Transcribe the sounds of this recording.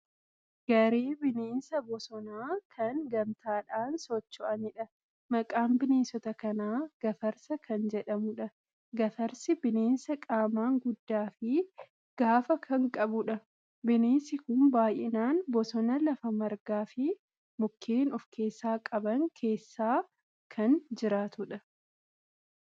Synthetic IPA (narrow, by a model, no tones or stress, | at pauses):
ɡ̥ɐɾeːbɪneːnsɐbɔsɔnaːkʰɐŋɡɐmt̪aːᶑaːnsɔt͡ʃːɔʔɐnɪᶑɐ | mɐkʼaːmbɪneːsɔt̪ɐkɐnaːɡ̥ɐfɐɾsɐkʰɐnd͡ʒɛᶑɐmʊᶑɐ | ɡɐfɐɾsɪbɪneːnsɐkʼaːmaːŋɡʊd̪ːaːfɪ | ɡ̥aːfɐkʰɐŋkʼɐbʊᶑɐ | bɪneːnsɪkʊnbaːjʔɪnaːnbɔsɔnɐlɐfɐmɐɾɡaːfɪ | mʊkʰːeːnɔfkʰe̞ːsːaːkʼɐbɐŋkʰe̞ːsːaː | kʰɐnd͡ʒɪɾaːt̪ʊᶑɐ